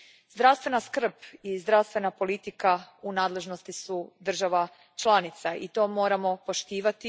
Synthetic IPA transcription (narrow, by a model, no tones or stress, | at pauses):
zd̪ɾaʋst̪ʋe̞naskr̩pizd̪ɾawst̪ʋe̞napo̞lit̪ikaunaːd̪le̞ʒno̞st̪isud̪r̩ʒaʋa | t͡ʃlˠanit̪saʔit̪o̞ːmo̞ːɾamo̞po̞ʃt̪iːʋat̪i